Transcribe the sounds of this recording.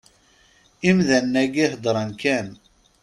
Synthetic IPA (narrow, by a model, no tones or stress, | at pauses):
imðænːæɡihd̪ɾˤɑnkæn